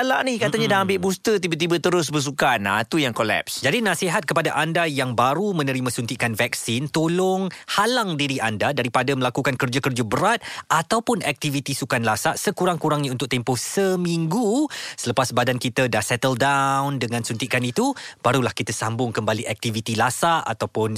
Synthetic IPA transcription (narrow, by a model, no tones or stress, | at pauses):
alaʔnikat̪aɲãdaɦambɪʔbust̪ət̪ibət̪̬ibət̪əɾʊs̬bəs̬ukana̰t̪ujaŋkolɛ̰psd͡ʒadinãsiɦat̪̚kəpadaʔandajaŋbaɾumə̃nə̃ɾimə̃sunt̪iʔkanvɛk̚sint̪olɔŋhalaŋdiɾiʔandadaɾipadaməlakukankərd͡ʒakərd͡ʒabəɾat̪̚at̪awpʊnɛk̚t̪ivit̪isukanlasaʔsəkuɾaŋkuɾaŋiunt̪ʊk̚t̪empɔhsəmiŋɡusələpasbadankit̪adahsɛt̪əldawndəŋãnsunt̪iʔkanit̪ub̥aɾulahkit̪asambʊŋkəmbaliʔɛk̚t̪ivit̪ilasaʔa̰t̪awpʊn